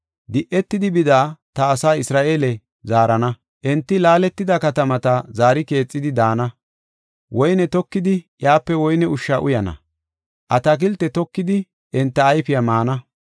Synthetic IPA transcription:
d̪ɪʔɛt̪ːɪd̪ɪbɪd̪aːt̪ɐːsaːɪsɾaːʔeːlɛ | zaːɾɐnɐ | ʔɛnt̪ːɪlaːlɛt̪ːɪd̪ɐkɐt̪ɐmɐt̪ɐzaːɾɪke̞ːt͡sʼːɪd̪ɪd̪aːnɐ | wɔjnɛt̪ɔkːɪd̪ɪjaːpːɛwɔjnɛʊʃːaʔʊjɐnɐ̰ | ʔɐt̪ɐk̬ɪlt̪ːɛt̪ɔkːɪd̪ɪ | ʔɛnt̪ːɐːjfɪjɐmaːnɐ

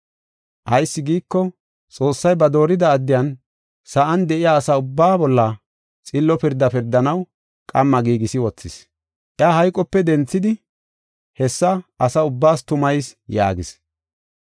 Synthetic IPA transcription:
ʔɐjsːɪɡiːkːɔ | t͡sʼo̞ːsːɐjbɐd̪o̞ːɾɪd̪ɐːd̪ːɪjɐn | sɐʔɐnd̪ɛʔɪjaːsɐʊbːaːbɔlːɐ | t͡sʼɪlːɔpɪɾd̪ːɐpɪɾd̪ɐnɐw | kʼɐmːɐɡiːɡɪsɪwɔt͡sːɪs | ʔɪaɦɐjkʼɔpːɛd̪ɛnt͡sːɪd̪ɪ | hɛsːɐʔɐsɐʊbːaːst̪ʊmɐjsja̰ːɡɪs

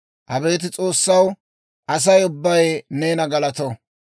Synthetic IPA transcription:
ʔɐbe̞ːt̪̬ɪt͡sʼo̞ːsːɐw | ʔɐs̬ɐjʊbːɐjneːnɐɡɐlɐt̪ɔ

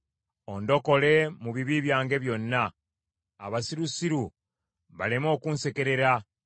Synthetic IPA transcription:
o̞ndo̞ko̞le̞muβiβiβjaːŋɡe̞βjo̞nːaː | βasiɾusiɾu | βalemo̞ːkuːnse̞ke̞ɾe̞ɾa

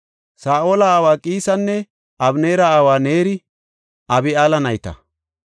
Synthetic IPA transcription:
saːʔoːlɐːwaːkʼiːsɐnːɛ | ʔɐbneːɾɐaːwaːne̞ːɾɪ | ɐbɪaːlɐnɐjt̪ɐ̰

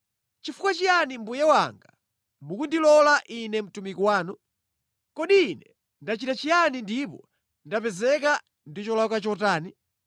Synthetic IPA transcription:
t͡ʃifukwat͡ʃijanimbujɛwa̰ŋɡa | mukundilɔlaʔinɛm̩tumikwaːnɔ | kɔɗiːnɛ | ndat͡ʃitat͡ʃijanindipɔ̰ | ndapɛzɛk̬a | ndit͡ʃɔlakat͡ʃɔtaːni

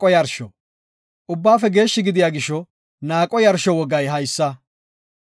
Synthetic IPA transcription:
kʼɔjɐɾʃɔ̰ | ʔʊbːaːfɛɡe̞ːʃːɪɡɪd̪ɪjaːɡɪʃːɔ | naːkʼːɔjɐɾʃɔwɔɡɐjɦɐjsːɐ

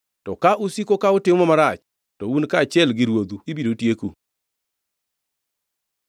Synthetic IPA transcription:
tɔkaʔusikokaʊtɪmɔmaɾat͡ʃ | tɔunkat͡ʃɪɛlɡɪɾwod̪uibidotjekṵ

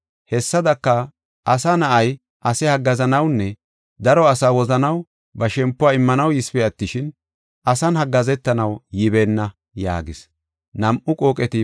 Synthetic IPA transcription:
hɛsːɐd̪ɐkːɐ | ʔɐsɐnɐʔɐj | ʔɐsɛhɐɡːɐzɐnɐwnːɛ | d̪ɐɾɔɐsaːwɔzɐnɐw | bɐʃɛmpːʊwaːɪmːɐnɐwjɪsfɛɐt̪ːɪʃɪn | ɐsɐnhɐɡːɐzɛt̪ːɐnɐwjɪbeːnːɐ | ja̰ːɡɪs | nɐmʔʊkʼoːkʼɛt̪ɪ

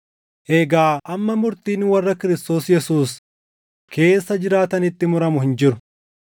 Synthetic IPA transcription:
ʔeːɡaːʔɐmːɐmʊɾt̪iːnwɐrːɐkɪɾɪst̪o̞ːsjɛsuːs | kʰe̞ːsːɐd͡ʒɪɾaːt̪ɐnɪt̪ːɪmʊɾɐmʊhɪnd͡ʒɪɾʊ̥

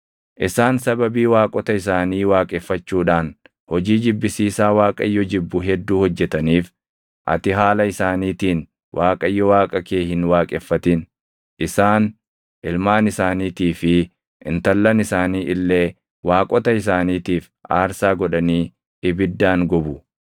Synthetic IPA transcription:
ʔɪsaːnsɐbɐbiːwaːkʼɔt̪ɐɪs̬aːniːwaːkʼɛfːɐt͡ʃːuːᶑaːn | hɔd͡ʒiːd͡ʒɪbːɪsiːsaːwaːkʼɐjːɔd͡ʒɪbːʊɦɛd̪ːuːhɔd͡ʒːɛt̪ɐniːf | ʔɐ̰t̪ɪɦaːlɐɪsaːniːt̪iːn | wʔaːkʼɐɪjːɔwaːkʼɐkeːhɪnwaːkʼɛfːɐt̪ɪn | ʔɪsaːn | ʔɪlmaːnɪsaːniːt̪iːfɪ | ʔɪnt̪ɐlːɐnɪsaːniːʔɪlːe̞ː | waːkʼɔt̪ɐɪs̬aːniːt̪iːf | a̰ːɾsaːɡɔᶑɐniː | ɪbɪd̪ːaːŋɡɔbʊ

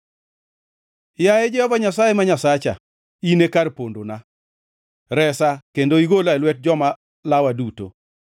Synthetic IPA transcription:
jajɛd͡ʒɛhɔvaɲasajemaɲasat͡ʃa̰ | inekarpondona | ɾɛsakendoiɡolalwɛt̚d͡ʒɔma | lawaduto̰

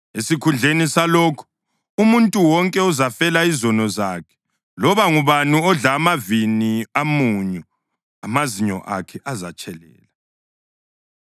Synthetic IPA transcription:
esikʰund͡ɮʱenisalɔːkʰu̥ | umuntʼuwɔŋkʼɛuzafɛlaizɔnɔzakʰɛ̥ | lɔβaŋuβanuɔɮaːmaviniamuɲɛ | a̰maziɲɔ̰ʔa̰kʰɛʔazat͡ʃʼɛlɛ̰ːla

